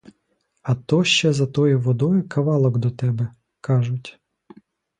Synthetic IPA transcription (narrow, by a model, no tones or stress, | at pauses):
ɐt̪ɔʃt͡ʃɛzɐt̪ɔjiʋɔd̪ɔjʊkʰɐʋɑlˠɔɡd̪ɔt̪ɛbɛ | kɑʒʊtʲ